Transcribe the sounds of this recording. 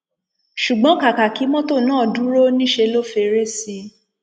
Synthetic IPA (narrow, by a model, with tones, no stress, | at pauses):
ʃu˨ɡ͡bɔ̃˨˦ka˨ka˨ki˨˦mɔ̃˦to˦˨nãː˦˨dũ˨˦ɾo˦nĩ˦ʃe˧lo˦fe˧ɾe˦˨si˧